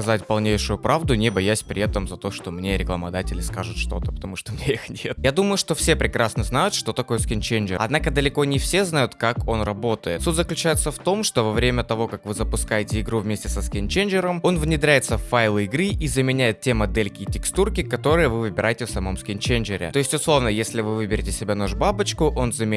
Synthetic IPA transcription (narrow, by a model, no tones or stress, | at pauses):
ɐzatʲpɐlˠnʲejʂʊjʊpɾavd̪ʊnʲɪbɐjæsʲpɾʲɪ̰ɛt̪əmzɐt̪o̞ʂt̪o̞mnʲe̞ɾʲɪklˠəmɐd̪atʲɪlʲɪskaʐʊt̪ʂt̪o̞̰t̪əpə̥t̪ɐmuʂt̪omnʲeeixnʲe̞t̪jad̪uməjʊʂt̪o̞fsʲe̞pɾʲɪkɾasnəznajʊt̪ʂt̪o̞t̪ɐko̞jəskʲɪnʲt͡ɕejnd͡ʒɪɐ̰d̪nakəd̪əlʲɪko̞nʲɪfsʲe̞znajʊt̪kako̞nrɐbo̞t̪əjɪt̪sutʲzəklʲʉt͡ɕæjɪt̪səft̪o̞mʂt̪o̞vɐvɾʲemʲət̪ɐvo̞kakvɨzəpʊskajɪtʲɪɪɡɾuvmʲesʲtʲɪsəskʲɪnʲt͡ɕejnʲd͡ʒɪɾəmo̞nvnʲɪd̪ɾʲæjɪt̪səffːajlˠɨɪɡɾɨʔizəmʲɪnʲæjɪt̪tʲe̞mɐd̪elʲkʲɪtʲɪkst̪urkʲɪkɐt̪o̞ɾɨjəvɨvɨbʲɪɾʔajɪtʲɪfsɐmo̞mskʲɪnt͡ɕend͡ʒɪɾʲɪ̰t̪o̞ɪsʲtʲʊslˠo̞vnəjesʲlʲɪvɨvɨbʲɪɾʲɪtʲɪsʲɪbʲanoʐbabɨt͡ɕkʊʔo̞nzəmʲ